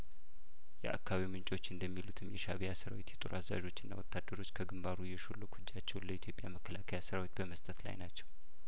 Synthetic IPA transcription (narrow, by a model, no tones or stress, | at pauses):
jɛ̰ʔa̰kːaβimɨnt͡ʃʼo̞t͡ʃːɪɨnd̪əmːilut̪ʰɨmjɛʃaβijasəɾa̰wet̪jɛt̪ʼoɾʔaza̰ʒo̞t͡ʃːɨnːa̰wɔt̪ʰːad̪ːəɾo̞t͡ʃːkʰəɡɨmbaɾujɛʃolːokʰud͡ʒːat͡ʃːɛwnləit̪ʰjo̞pʼjaməkʰːəlakʰəjasəɾawet̪bəməst̪ʼət̪la̰jnat͡ʃːɛ̥w